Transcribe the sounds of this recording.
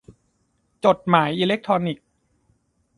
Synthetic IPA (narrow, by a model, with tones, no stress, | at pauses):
t͡ɕo˨˩t̪̚maː˩˦jʔiː˧le˦˥k̚t̪ʰɾɔː˧ni˨˩k̚